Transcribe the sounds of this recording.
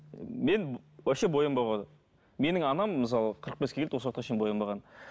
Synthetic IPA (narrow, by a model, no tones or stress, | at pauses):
me̞nwæʃebo̞jəmbɑʁod̪ə | me̞nɪŋɑnɑmːəs̬ɑlˠəqʰəɾəq̚beskʲekelt̪woswot̪qɑʃejnbo̞jəmbɑʁɑn